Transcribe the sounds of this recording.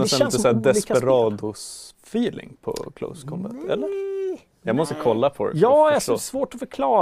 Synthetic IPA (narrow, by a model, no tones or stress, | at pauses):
ɛnt̪əsæːd̪ɛsɛɾɑːd̪ʊ | fiːlɪ̰ŋpʰɔ̰kʰlo̰ʊskʰɔnvɛ̰nt̪ʰɛ̰lːəɾ | jɑːɡmɔst̪əkʰɔlːapʰɔd̪̰jɑːsɔsvoːʈɔfœɾkʰlɑː